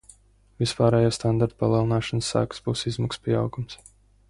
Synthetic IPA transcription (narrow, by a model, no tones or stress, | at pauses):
vispaːɾɛːjaːst̪and̪aɾt̪u̥palˠiɛlˠinaːʃansːæ̰ːkzbuːsizmakspiɛa̰wɡums